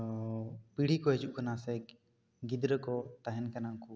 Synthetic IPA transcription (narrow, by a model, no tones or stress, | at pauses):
piɽ̤ikɔɦɛd͡ʒuʔkanasɛ | ɡid̪ɾəkɔt̪aɦɛnkanaŋku